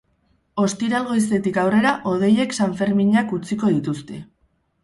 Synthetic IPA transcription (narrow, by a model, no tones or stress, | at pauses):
o̞st̪iɾalɣo̞is̬t̪e̞t̪ikawre̞ɾaʔo̞ð̞e̞je̞ksaɱfe̞ɾmiɲakut͡siko̞ðit̪ust̪e̞